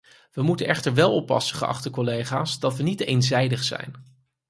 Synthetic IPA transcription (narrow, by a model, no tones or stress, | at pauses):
ʋəmutənɛχtəɹʋɛlˠɔpːɑ̰səχəʔɑ̰χtəkɔlejχaːsdɑtʋənitejnzɛjdəχsɛ̰jn